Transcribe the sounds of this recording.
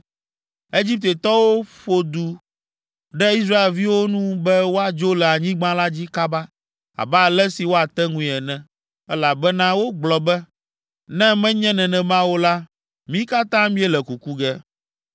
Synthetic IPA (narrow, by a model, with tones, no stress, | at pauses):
e˦d͡ʑi˦p̚t̪e˨t̪ɔ˦wo˦ɸo˦d̪u˨ | ɖɛ˦i˦s̬ɾa˦e˨lvi˦wo˦nũ˦bɛ˦wo˦a˨d͡ʒo˦lɛ˨a˨ɲĩ˦ɡ͡bã˦la˦d͡ʑi˦ka˦ba˦ | a̰˨bɛ˦˨lɛ˦si˨wo˦a˨t̪ɛ˦ŋũ˦ĩ˨ɛ˨nɛ̃˨ | ɛ˦la˨bɛ˦nã˦wo˦ɡ͡blɔ˨bɛ˦ | nɛ̃˦mɛ̃˦ɲɛ̃˦nɛ̃˨nɛ̃˨mã˦wo˦la˦ | mĩ˦ka˦t̪ã˦mĩ˦ɛ˦lɛ˨ku˨ku˦ɡɛ˦